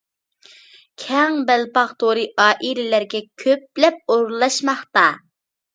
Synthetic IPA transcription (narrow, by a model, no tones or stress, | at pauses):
kʲʰɛŋbælpɑʁt̪ʰoɾɨʔɑːʔilɪlæɾɡʲɛkʲʰøp̚lɛp̚oɾlˠɑʃmɑχt̪ɑ